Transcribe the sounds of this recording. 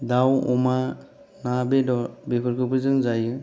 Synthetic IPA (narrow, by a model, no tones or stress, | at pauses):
dawɔma | nabedɔbepʰɯɾkʰɯpʰɯzɯŋzajɯ